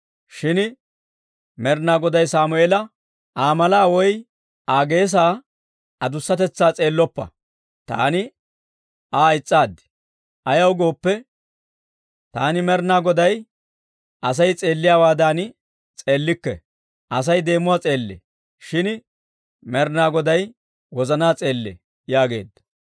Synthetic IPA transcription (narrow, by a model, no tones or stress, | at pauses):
ʃɪn | mɛɾnaːɡɔd̪ɐjsaːmʊeːlɐ | ʔaːmɐlaːwɔj | aːɡe̞ːs̬aː | ɐd̪ʊsːɐt̪ɛt͡sːaːt͡sʼe̞ːlːɔpːɐ̰ | t̪a̰ːnɪ | aːɪt͡sʼːaːd̪ɪ̥ | ɐjɐwɡo̞ːpːɛ | t̪aːnɪmɛɾnaːɡɔd̪ɐj | ʔɐs̬ɐjt͡sʼe̞ːlːɪjaːwaːd̪aːnɪ | t͡sʼe̞ːlːɪkːɛ̰ | ʔɐs̬ɐjd̪e̞ːmʊwat͡sʼe̞ːlːḛ | ʃɪn | mɛɾnaːɡɔd̪ɐj | wɔzɐnaːt͡sʼe̞ːlːḛ | jaːɡe̞̰ːd̪ːɐ̥